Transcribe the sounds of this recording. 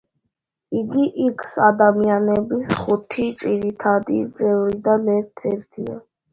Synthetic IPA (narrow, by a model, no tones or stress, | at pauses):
iɡiʔikʰsad̪amianɛbisχut̪ʰit͡ʃʼiɾit̪ʰad̪id̪zʼɛvɾid̪anɛɾt̪̚ʰd̪z̥ɛɾt̪ʰḭa̰